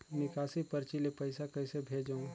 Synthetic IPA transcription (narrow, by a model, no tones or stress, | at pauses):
nɪkaːsipɐɾt͡ʃilepɐɪsakɐɪsebʱeːd͡ʒaũ